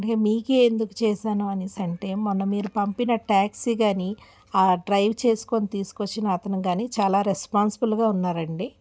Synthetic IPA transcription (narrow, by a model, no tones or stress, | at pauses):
ɐɖkemiːkeːnd̪uku̥t͡ʃɛːʃaːnuɐnisɐɳʈeːmːɔnːɐmiːɾupɐmpinɐʈaːksiɡaːni | aːɖɾɐjʋt͡ʃe̞ːsu̥ko̞nit̪iːsu̥kot͡ʃːinɐːt̪ɐnuɡaːniːt͡ʃaːlaːɾespaːnsibulɡaːunːaːɾɐɳɖi